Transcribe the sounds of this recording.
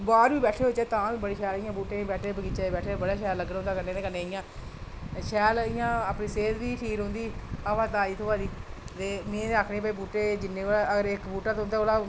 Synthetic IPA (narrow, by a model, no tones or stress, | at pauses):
baːɾʋiːbɛːʈʰeːɦoːt͡ʃeːt̪ãːʋĩːbəɽiːʃɛːlɪjãːbuːʈẽːbɛːʈʰeːbəɡiːt͡ʃaːbɛːʈʰeːbəɽaːʃɛːləɡnõːd̪aːkənːẽːd̪eːkənːẽːɪjãː | ʃɛːlɪjãːəpniːseːd̪ʋiːʈʰiːkɦõːnd̪iːaːʋaːt̪ãːiːt̪ʰoːaːd̪iːt̪eːmẽːeaːkʰneːbaiːbuːʈeːd͡ʒɪnːẽːlaəɡəɾɪkbuːʈaːt̪õʊ̃nd̪aːoːlaː